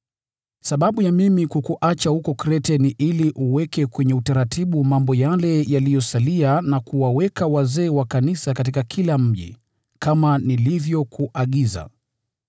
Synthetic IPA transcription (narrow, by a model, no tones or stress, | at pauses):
saɓaɓujamimikukuʔat͡ʃahukɔkɾɛtɛniʔiliʔuwɛkɛkwɛɲɛutaɾatʰiɓumambɔjalɛjalijɔsalianakuwawɛkawazɛːwakanisakatikakʰilam̩ʄḭ | kamanilivjɔkʰuʔaɠiza̰